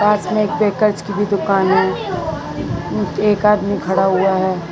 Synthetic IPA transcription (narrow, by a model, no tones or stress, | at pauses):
aːsmẽeːk̚peːkəɾt͡ʃkibʱid̪ʊkaːnɦɛ̃ | eːkaːd̪mikʰɐɽaɦuaɦɛː